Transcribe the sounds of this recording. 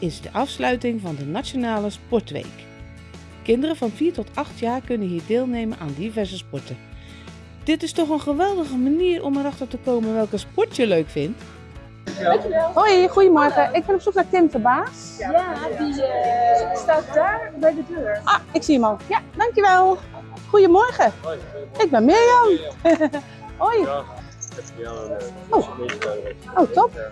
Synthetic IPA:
ɪzdəʔafslœɥtɪŋvɔndənasjonaːləspɔɹtʋḛjk | kɪndərəvɔnfiːɹtɔtʰɑxtjaːrkønənɦiːdeːlˠneːmənʔaːndivɛɹzəspɔɹtə | d̥ɪtɪstɔχənχəʋɛlˠdəɣəmaniːərʔɔməɾaxtərtəkoːmənʋɛlˠkəspɔɹtjəløːkfɪnt | ŋkˠojxujəmɔrɣəʔɪk̚bɪnɔpsuknatɪmfərbaːs | i | statabɛjdədʔaɪksiəmalˠjadaŋkjəʋɛlˠ | xujəmɔrɣə | ɪk̚bɛnmɪəjɔn | oj | ow | owtʰɔp

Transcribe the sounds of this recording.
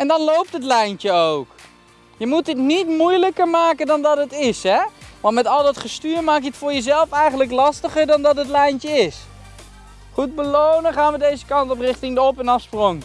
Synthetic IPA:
ɛndɑnlowp̚tətlɛjntəowk | jəmutətnitmujləkəɹmaːkəndɑndɑtətɪsɦɛʋɑntmɛtɑlˠdɑtχəstyːɹmaːkjəətfʊːɹjəzɛlˠfɛjχənləklɑstəχəɹdɑndɑtətlɛjnt͡ʃəɪs | χud̚bəlownəχaːnʋədejzəkɑntɔprɪχtɪŋdəɔpɛnɑfsproŋ

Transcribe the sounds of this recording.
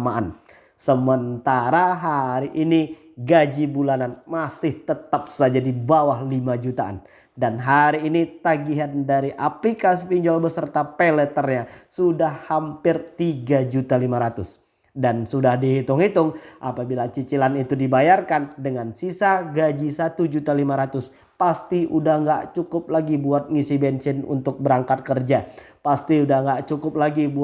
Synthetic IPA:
maʔan | səmənt̪aɾaɦaɾiʔini | ɡad͡ʒibulananmasɪht̪ət̪ap̚sad͡ʒadibawahlimad͡ʒut̪a̰n | danɦaɾiːnit̪aɡiɦandaɾiʔaplikasipiɲd͡ʒɔlbəsərt̪apelət̪ərɲasudahhampɪrt̪iɡad͡ʒut̪alimaɾat̪ʊs | dansudahdiɦit̪ʊŋhit̪ʊŋʔapabilat͡ʃit͡ʃilanit̪udibajarkandəŋansisaɡad͡ʒisat̪ud͡ʒut̪alimaɾat̪ʊs | past̪iʔudahŋɡaʔt͡ʃukʊp̚laɡibuat̪̚ŋisibɛnsɪnṵnt̪ʊk̚bəɾaŋkat̪̚kərd͡ʒa | past̪iudahŋɡaʔt͡ʃukʊp̚laɡibu

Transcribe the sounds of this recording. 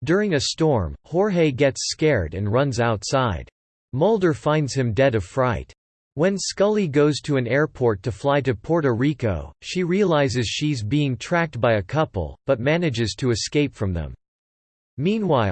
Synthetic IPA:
d̥ʊɹɪ̃ŋɨstɔɹmhɔɹɦeɪɡɛtskɛɹɾɨ̰̃nɹʌ̃nzaʊtsaɪd̥ | moʊlˠdə˞fãɪ̃ndz̥ɨ̃mdɛɾʌv̥fɹaɪt̚ | wɨ̃nskʌlˠiɡoʊz̥tʰɨɨ̃nɛɹpʰɔɹtʰɨflaɪɾɨpʰɔɹɾəɹiko̰ʊʃiɹiəlaɪzɨz̥ʃizbiɪ̃ŋtʰɹ̥æk̚t̚b̥aɪɨkʰʌpl̩ˠb̥ʌt̚mænɨd͡ʒɨz̥tʰɨɨskeɪpfɹʌ̃mðə̰̃m | mĩnwaɪ

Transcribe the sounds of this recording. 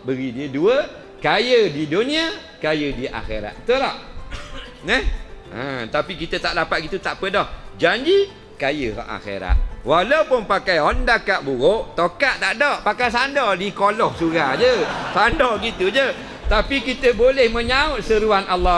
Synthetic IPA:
bəɡidiəduə | kajədidonĩa | kajədiʔa̰xḛɾa̰t̪̚t̪ulaʔ | nəhə̰t̪apikit̪ət̪aʔdapat̪̚ɡit̪ut̪aʔpədɔhd͡ʒaɲd͡ʒi | kajəka̰ʔa̰xḛɾa̰t̪̚walawpʊnpakajɔndakaʔbuɣoʔt̪okaʔt̪aʔdɔʔpakasandɔdikolɔhsuɾad͡ʒəsandɔɡit̪ud͡ʒə | t̪apikit̪əbolɛhmə̃ɲaʊt̪̚səɾuanalːa

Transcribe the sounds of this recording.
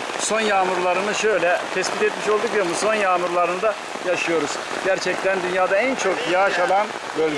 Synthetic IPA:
so̞njaːmuɾlˠaɾɯnɯʃø̞jlʲɛt̪ʰɛsbit̪ɛt̪miʃolˠd̪ukjoɾmuso̞njaːmuɾlˠaɾɯnɯd̪a | jaʃɯjo̞ɾuz̥ | ɟ̥æɾt͡ʃʰɛc̚t̪ʰænd̪ynjaːd̪aænt͡ʃʰo̞kjaʃalˠan | bølʲ

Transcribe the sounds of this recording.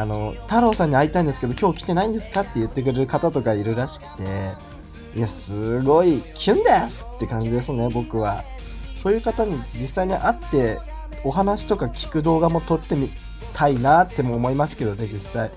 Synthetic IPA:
ano̞t̪aɾo̞ːsãɲ̟ːiait̪aĩnd̪esɨ̥ke̞d̪o̞kʲo̞ːkʲi̥t̪e̞naĩnd̪e̞sɨ̥kat̪ːe̞jɯ̟t̪ːe̞k̬ɯ̟ɾeɾɯkat̪at̪o̞kaiɾɯ̟ɾaɕi̥kɯ̟̥t̪e̞ | iasɨɡo̞ikʲʰɯ̃nd̪esɨ̥t̪ːe̞kãɲ̟d͡ʑid̪e̞sɨnebo̞kɯ̟β̞a | so̞ːjɯ̟ːkat̪aɲ̟id͡ʑisːaiɲ̟iʔat̪ːe̞ | o̞ɦanaɕi̥t̪o̞kakʲi̥kɯ̟d̪o̞ːɡamo̞t̪o̞t̪ːe̞mʲi | t̪ʰainat̪ːe̞mo̞ːmo̞imasɨ̥ke̞d̪o̞ne̞d͡ʑisːai

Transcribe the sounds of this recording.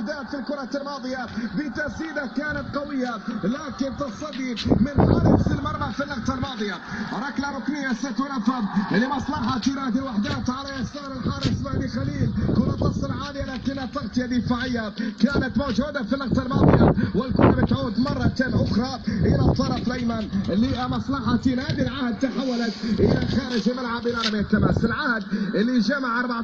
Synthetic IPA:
ħd̪aːt̪filkʊɾˤɑlmɑːd̪ˤɨjabit̪æziːd̪akaːnat̪qɑwəjːalaːkɪnt̪ɑsˤɑd̪ːimənħa̰ːɾəsəlmɑɾˤbɑfinːɑqt̪ɑlmɑːd̪ˤɨjaɾˤɑklaɾˤʊknəjːasɪt̪wənæfablːimɑsˤlɑħɑt̪jɾaːd̪əlwaħd̪aːt̪ʕalaʔɪsɑːɾˤəlħɑːɾˤsmaʕlixaliːlkuːnat̪ːɑsˤːɪlʕaːd̪ʔanak̪lɪnat̪ːɑɣt̪ˤɨjad̪ɪfaːʕɪjːakaːnat̪mowʒuːd̪afinːɑqtfˤɑlmɑ̰ːd̪ˤɨjawɪlkunabɪt̪ʕuːd̪mɑrˤːɑt̪aːmʔʊxɾˤɑhɪ̰jːalɑt̪ˤːɑːɾˤɑflajmanʔɪlːimɑsˤlɑħɑt̪iːnhaːd̪ilʕahd̪̚t̪aħawːalat̪ʔɪ̰laxaːɾɪʒimɪlʕabʔɪlɑɾmit̪ːamasɪlʕahd̪ʔɪlːiʒamaʕʔɑɾˤbaʕ

